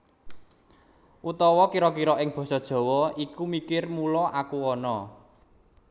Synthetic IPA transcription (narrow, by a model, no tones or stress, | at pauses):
ʔut̪ɔwɔkiɾɔkiɾɔʔɪŋb̥ɔ̤sɔd̥ʒ̥ɔ̤wɔikumikɪrmulɔʔakuɔnɔ